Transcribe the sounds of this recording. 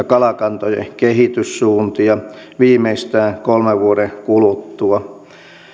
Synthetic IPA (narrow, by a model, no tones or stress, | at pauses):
kɑlɑkɑnt̪ojḛkehit̪yssuːnt̪iɑ | ʋiːmeist̪æːkolmeʋʋuodekulut̪ːuɑ